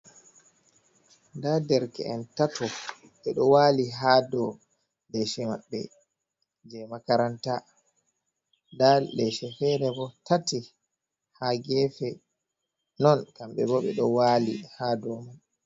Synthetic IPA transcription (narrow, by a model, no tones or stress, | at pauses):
ndadɛɾkɛ̰ʔɛntatɔ | ɓɛɗɔwaːliɦadɔ | lɛʃɛma̰ɓːɛ̰ | d͡ʒɛmakaɾanta | dalɛʃɛfɛɾɛbɔtati | haɡɛfɛ | nɔnkamɓɛbɔɓɛɗɔwaːlihadɔman